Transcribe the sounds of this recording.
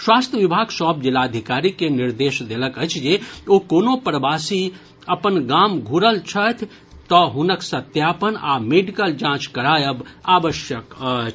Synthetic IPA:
swast̪ʰjəʋibʱaɡsɔb̚d͡ʒilaəd̪ʱikaɾikeniɾd̪eʃd̪eləkəjt͡ʃʰd͡ʒeokonopɾəbasi | əpənɡamɡʱuɾəlt͡ʃʰət̪ʰ | t̪ɔɦunəksət̪japəna̰meɖikəld͡ʒãt͡ʃkəɾajəbabəʃjəkət͡ʃ

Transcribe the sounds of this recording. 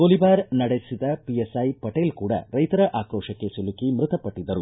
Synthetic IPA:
ɡolibaːɾnɐɽesid̪ɐpiesɐjpɐʈeːlkuːɽɐ̰ɾɐjt̪ɐɾɐʔaːkɾɔːʂɐkːesilukimɾɨt̪ɐpɐʈːid̪ɐɾu

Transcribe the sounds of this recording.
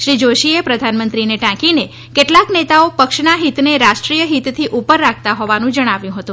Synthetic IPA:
ʃɾid͡ʒoʃiepɾəd̪ʱanmənt̪ɾineʈãkine | keʈlaknet̪aopəkʃnaɦit̪neɾaʃʈɾijəɦit̪t̪ʰiʔupəɾːak̚ʰt̪aɦɔʋanũd͡ʒəɽ̃aʋjũɦət̪ũ

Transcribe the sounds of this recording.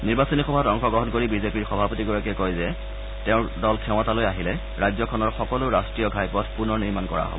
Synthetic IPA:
niɹbasonixɔbʱatɔŋxɔɡɔɦɔnkoɹibizepiɹxɔbʱapotiɡɔɹakɛkojzɛ | tɛʊ̃dɔlkʰɛw̃ɔtalojaɦilɛ | ɹajzɔkʰɔnɔɹxɔkɔlʊɹastɹijɔɡʱajpɔtʰpunɔɹniɹmankɔɹa̰ɦɔ̰bɔ

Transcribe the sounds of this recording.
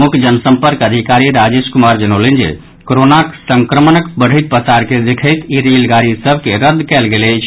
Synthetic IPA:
mukʰd͡ʒənsəmpəɾkəd̪ʱikaɾiɾad͡ʒeskumaɾd͡ʒənəlend͡ʒḛ | koɾonaksəŋkɾəmənəkbəɽ̤ʱɦiɪt̪̚pəsaɾked̪ekʰəɪt̪iɾelɡaɾisəbʱkeɾəd̪ʱːkɛlɡelɛt͡ʃʰ

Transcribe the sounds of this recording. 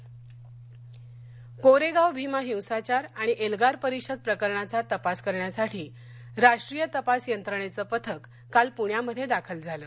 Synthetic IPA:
koɾeɡawbʱimaɦiwsat͡ɕaɾaɽ̃iʔelɡaɾpəɾikɕəd̪̚pɾəkəɾɳat͡sat̪əpaskəɾɳjasaʈʰiː | ɾaʂʈɾijət̪əpasjənt̪ɾəɳ̃et͡səːpət̪ʰəkːalpuɳjaməd̪ʱːjed̪akʰəld͡zʱaləː

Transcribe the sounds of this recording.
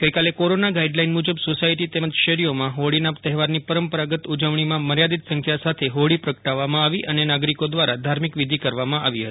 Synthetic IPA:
ɡəjkalekoɾonaɡaiɖlainmud͡ʒəbsosaiʈit̪eməd͡ʒʃəɾijomãɦoɭinapt̪ɛɦɛʋaɾnipəɾəmpəɾaɡət̪ud͡ʒəʋɳ̃imãməɾjad̪it̪sə̃ŋkʰjasat̪ʰeɦoɭipɾəkəʈaʋːamãaʋiʔənenaɡɾikod̪ʋaɾad̪ʱaɾmikʋid̪ʱikəɾʋamãʔaʋiɦət̪i

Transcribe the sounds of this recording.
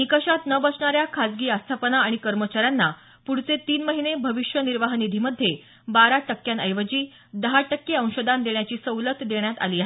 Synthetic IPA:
nikəɕat̪nəbət͡sɳaɾjakʰad͡zɡiːast̪ʰapənaːɽ̃ikəɾmət͡ɕaɾjanːa | puɽ̤t͡set̪iːnməɦinebʱəʋiʂjəniɾʋaɦnid̪ʱiːməd̪ʱːje | baɾaʈəkːjanəjʋəd͡ʑiː | d̪əɦaʈəkːeə̃w̃ɕod̪ʱand̪eɳjat͡ɕiːsəwlət̪d̪eɳjat̪a̰liːaɦ

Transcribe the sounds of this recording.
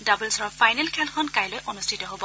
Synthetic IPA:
dabulsɔɹɔpʰajnɛlkʰɛlkʰɔnkajlojʔɔnustʰitɔɦobɔ

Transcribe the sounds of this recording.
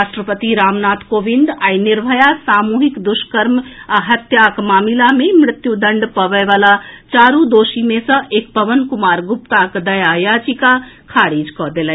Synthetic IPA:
ɾaʃʈɾəpət̪iɾamnat̪kobind̪ainiɾbʱəjasamuɦikd̪uskəɾmaɦət̪jakmamilamemɾɪt̪jud̪əɳɖpəʋəjʋalat͡ʃaɾud̪osimesə̃ʔekpəʋənkumaɾɡup̚t̪akd̪əjajat͡ʃikakʰaɽid͡ʒkɔd̪elɛ

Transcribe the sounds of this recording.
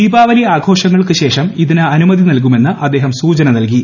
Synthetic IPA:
iːbaːʋɐliaːɡʱo̞ːʂɐŋːɐɭkɨɕe̞ːʂɐmiðinɨɐnumɐðinɐlk̬ume̞nːɨʔɐd̪ːeːɦɐmsuːt͡ɕɐnɐnɐlki

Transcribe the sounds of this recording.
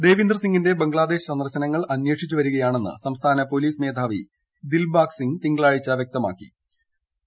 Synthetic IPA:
d̪e̞ːʋind̪rɐsiŋɡinde̞beŋɡɭaːd̪e̞ːɕɐnɐrɕɐnɐŋːɐɭɐnjwe̞ːʈʂit͡ɕːuʋɐɾuɣɐjaːɳe̞nːɨ̰sɐmst̪ʰaːnɐpo̞liːsme̞ːd̪ʱaːʋi | d̪ilbaːksiŋɡt̪iŋɡɭaːɻit͡ɕːɐʋjk̚t̪ɐma̰ːkːḭ

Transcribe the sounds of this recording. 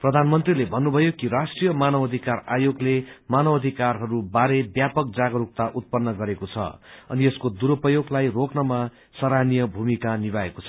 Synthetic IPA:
prʌd̪ʱanmʌnt̪rilebʱʌnːubʱʌjokiɾasʈrijʌmanʌbʌd̪ʱikara̰joɡlemanʌbʌd̪ʱikarɦʌɾubaɾebjapʌk̚d͡zaɡʌɾuk̚t̪aʔut̪̚pʌnːʌɡʌɾekot͡sʰʌ̰ʌ̰nieskod̪uɾopʌjoɡlajroknʌma | sʌɾanijʌbʱumikaniβaḛkot͡sʰʌ

